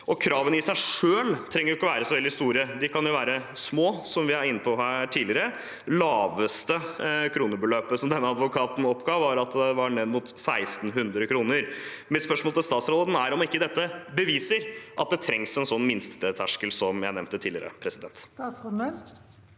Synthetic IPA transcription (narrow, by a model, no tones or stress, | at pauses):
ʔɔkʰɾɑːʋənɪsæɪʂøːlt̪ʰɾɛŋːəɾjʊɪkːɔʋæːɾəsɔʋɛld̪ɪst̪uːɾəd̪ɪkʰɑnjʊʋæːɾəsmoːsɔmʋɪhæɾɪnːəpʰɔɦæːʈʰiːdlɪəɾə | lɑːʋəst̪əkʰɾuːnəbəløːpəsɔmd̪ɛnːəɑd̪ʋʊkʰɑːt̪n̩ɔpːɡɑːʋʋɑɾɑt̪d̪ɛʋɑɳɛd̪mut̪sæɪst̪n̩ɦʉnd̪ɾəkʰɾuːnəɾ | mɪt̪spœʂmoːlt̪ɪlst̪ɑːt̪sɾɔld̪næɾɔmɪkːəd̪ɛt̪ːəbəʋiːsəɾʔɑt̪̚d̪ɛt̪ʰɾɛŋsɛnsɔnːmɪnst̪ət̪ʰæʂkəlsɔmjæɪnɛmnt̪ət̪ʰiːlɪəɾə̰pʰɾɛsɪd̪ɛnt̪ː